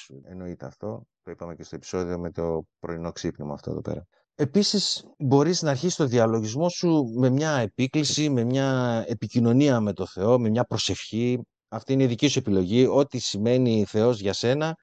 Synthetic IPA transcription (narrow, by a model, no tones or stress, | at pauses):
uḛno̞it̪eɐ̰ft̪o̞t̪o̞ipɐme̞cest̪o̞e̞pi̥so̞ðio̞me̞t̪o̞pɾo̞ino̞ksipnimɐ̰ɐft̪o̞ḛðopḛɾɐ̰ | e̞pisisbo̞ɾiznɐːɾçist̪o̞nðiɐlo̞ʝizmo̞sume̞mɲɐe̞piklisime̞mɲɐe̞picino̞niɐme̞t̪o̞θe̞o̞me̞mɲɐpɾo̞se̞fçi | ɐft̪iineiðicisue̞pilo̞ʝio̞t̪isime̞niθe̞o̞zʝɐse̞nɐ